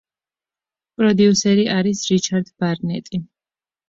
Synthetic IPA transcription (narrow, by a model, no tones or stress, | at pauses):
pʼɾɔd̪iusɛɾiʔaɾisɾit͡ʃʰaɾd̪baɾnɛ̰t̪ʼi